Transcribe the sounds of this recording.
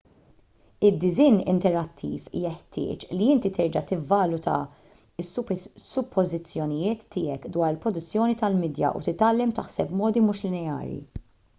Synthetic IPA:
ɪd̪ːɪzɪːnɪ̰nt̪ɛɾɐt̪ʰːḭːfjɛħt̪ɪ̰ːt͡ʃliɪnt̪it̪ɛɾd͡ʒɐt̪ɪvːɐlʊt̪ɐ̰ | ɪssːʊpʰːɔzɪt͡sːjɔnɪjɪːt̪ːɪːɛkd̪wɐːɾɪlpɾɔd̪ʊt͡sːjɔːnit̪ɐlmɪːd̪jɐ̰ʔṵt̪ɪt̪ːɐlːɛmt̪ɐħsɛpmɔːd̪imuːʃlɪnɛɐ̰ːɾjḭ

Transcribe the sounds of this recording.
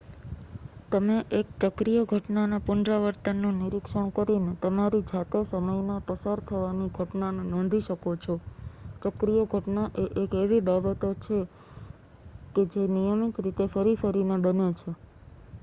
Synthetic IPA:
t̪əmeʔekt͡ʃəkɾijəɡʱəʈnanapʊnd̪ɾaʋəɾt̪ənːũniɾikʃəɳ̃kəɾinet̪əmaɾid͡ʒʱat̪esəməjnapəsaɾt̪ʰəʋaniɡʱəʈnanenɔ̃nd̪ʱiʃəkot͡ʃʰɔt͡ʃəkɾijəɡʱəʈnaʔeʔekeʋibabət̪ot͡ʃʰe | ked͡ʒenijəmit̪ɾit̪efəɾifəɾinebənet͡ʃʰe

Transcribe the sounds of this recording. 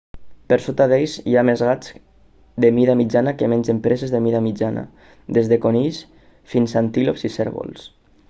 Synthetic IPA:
peɾsot̪aðejsiamezɣat͡s | d̪emiðamid͡ʒanakemenzempɾezezðemiðamid͡ʒana̰ | d̪ezðekonis | finsant̪ilopsiseɾβo̰lˠs

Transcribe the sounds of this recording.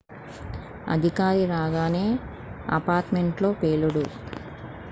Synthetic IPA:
ɐ̰d̪ʱikaːɾiɾaːɡaːneː | ɐ̰paːɾʈmeɳʈlo̞ːpeːluɽu

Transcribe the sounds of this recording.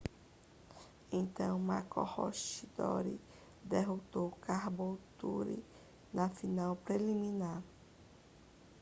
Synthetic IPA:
ẽt̪ɐ̃w̃mako̰hɔʃid̪ɔ̰ɾi | d̪eɦot̪owkaɾbowt̪uɾḭ | nɐfinawpɾelimĩnaɾ

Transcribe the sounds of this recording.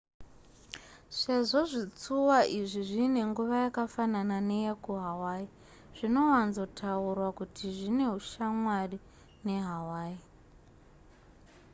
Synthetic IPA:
ʂe̞ʐo̞ʐit͡suwaʔiʐiʐine̞ŋɡuʋajakafananane̞jakuɦawaːi | ʐ̥ino̞wanzo̞tʰaurwakutʰiʐine̞ɦuʃamwari | ne̞ɦawaːi

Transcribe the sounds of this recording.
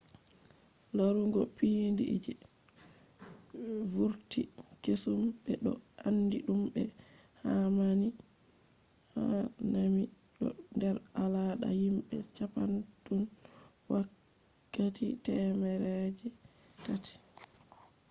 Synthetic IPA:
laɾuŋɡɔpindid͡ʒi | vuɾtikesumɓɛɗɔ̰ | ʔandiɗumbɛ | hamani | ha̰nami | ɗɔ̰ndɛɾalaɗa̰himbɛt͡ʃapantunwakːatḭtɛmɛɾɛd͡ʒikati̥

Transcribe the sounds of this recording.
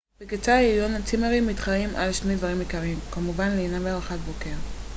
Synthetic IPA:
b̥eket͡saijonat͡simeʁimːit̪χaimʔalʃne̞jd̪vaʁimikaʁimkamuvanleinaveaʁaχatbokeʁ

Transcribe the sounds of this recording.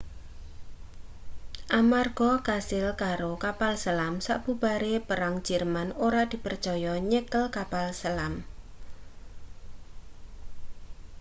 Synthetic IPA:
ʔamarɡ̥ɔkasɪlkaɾokapalsəlamsa̰ʔb̥ubaɾepəɾaŋ̥d͡ʒ̥ɛrmanoɾad̪̥i̤pər̥t͡ʃɔjɔɲəkəlkapalsəlam

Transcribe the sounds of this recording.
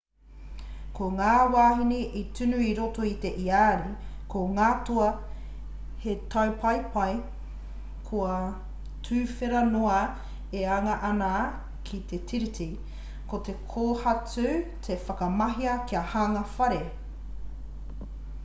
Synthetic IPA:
kʰoŋaːwaːɦiniʔitʰʉnʉiɾotoit̪e̞ʔiaːɾikoŋaːtoɐ | hetʰɐwpʰɐjpʰɐj | kʰoɐ | tʰʉːfeɾɐnoɐ | eaŋɐʔɐna | kʰit̪etʰiɾitʰi | kot̪e̞kʰoːhɐt͡sʉtʰe̞fɐkɐmɐɦiɐkiɐhaŋɐfɐɾe

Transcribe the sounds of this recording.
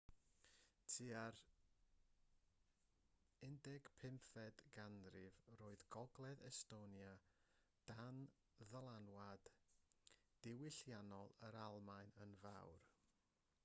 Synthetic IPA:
tʰiaɾ | ɪndɛɡ̥pʰɪmfɛd̥ɡandrɪvroːɨðɡɔɡlˠɛðɛstonja | d̥an | ðəlˠanwad̥ | d̥ɪwɪɬjanɔlˠəɾalˠmaɨnənvawr

